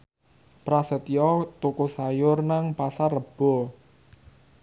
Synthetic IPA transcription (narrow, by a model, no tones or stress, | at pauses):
pɾasət̪ijɔt̪ukusajʊrnaŋpasarəb̥ɔ